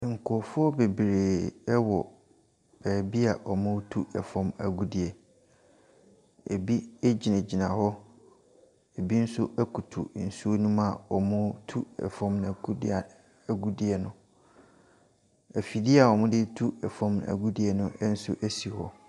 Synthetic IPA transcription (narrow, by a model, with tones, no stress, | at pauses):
ŋ̩˨kʰʊ˨ɔ˨fʊ˦ɔ˦be˨bɾeː˨ɛ˦wɔ˨ | b̥ɛː˨bi˦a˨ʔɔ˨mʊ̃˦tʰu˦ɛ˨fɔ̃˦mæ˨ɡu˦di˨ɛ˨ | ḛ˨bi˦e˦d͡ʑi˨nã˨d͡ʑi˨nã˨hɔ˦ | e˨bi˦n̩˦sʊ˦ʔæ˦kʰu˨tʰṵ˨n̩˨su˦o˦nũ˦mã˦˨ɔ˨mʊ̃˦tʰu˦ɛ̰˨fɔ̃˦mñ˨ɡu˦da˨ | æ˨ɡu˦di˦ɛ˨nʊ̃˦ | æ˨fi˨dɪ˦a˨ɔ˨mʊ̃˦dɪ˦tʰu˦ɛ˨fɔ̃˦mn˨æ̰˨ɡu˦di˨ɛ˨nʊ̃˦ʔɛ˦n̩˦sʊ̰˦ʔæ˦si˨hɔ̰˦